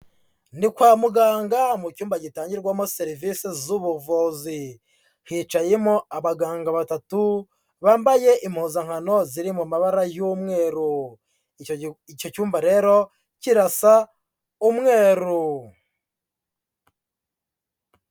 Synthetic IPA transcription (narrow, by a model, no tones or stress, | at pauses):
nikwaːmuɡaːŋɡamucuːmbaɟitaːɲɟiɾɡwamo̞seɾivisezuβuvuːzi | hiːt͡ʃajemo̞aβaɡaːŋɡaβatatu | βaːmbaje̞ʔimhuːzaŋ̥hano̞ziɾimumaβaɾajumŋe̞ːɾu | ico̞cuːmbaɾe̞ːɾo̞ | ciɾasa | umŋe̞ːɾu